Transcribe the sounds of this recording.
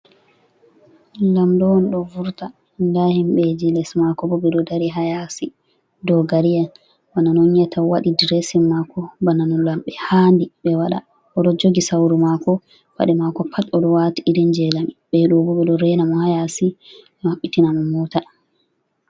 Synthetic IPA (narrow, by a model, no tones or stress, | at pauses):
lamdɔɔnɗɔvuɾta | ndahimɓɛd͡ʒilɛsmakɔbɔbɛɗɔdaɾiɦajasi | dɔɡaɾijan | bananɔnjɛtʰawaɗidiɾɛsimːakɔbananɔnlamɓɛhaːndiɓɛwaɗa | ʔɔɗɔd͡ʒoɡisawɾumakɔ | ba̰ɗɛmakɔpʰatːɔɗɔwatiiɾɛnd͡ʒɛlamiɓɛɗɔbɔbɛɗɔɾɛnamɔhajasi | maɓːitinamɔmɔta